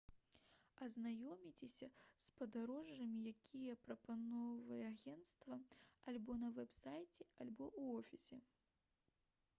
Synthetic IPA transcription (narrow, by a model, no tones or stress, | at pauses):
ɐznajɔmʲit͡sʲɛsʲɐspɐd̪aɾɔʐːɐmʲijakʲʰijɐpɾɐpanɔvɐjɛaɣʲɛnt̪st̪vɐalʲbɔnɐvɛpsajt͡sʲɛalʲbɔuɔfʲisʲɛ